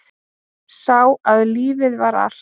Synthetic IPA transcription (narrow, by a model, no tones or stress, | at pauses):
sawaðliːvɪðvaɾa̰̥